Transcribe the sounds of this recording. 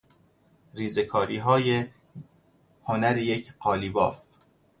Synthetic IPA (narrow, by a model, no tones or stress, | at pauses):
ɾiːze̞kʰɒːɾiːɦɒːje | honæɾijecʰɢɒːlibɒ̰ːf